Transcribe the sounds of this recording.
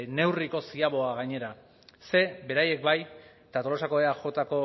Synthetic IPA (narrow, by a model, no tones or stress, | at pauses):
ne̞wriko̞siaβo̞aɣajɲe̞ɾa | se̞be̞ɾaje̞k̚baj | t̪at̪o̞lo̞sako̞eaʝo̞t̪ako̞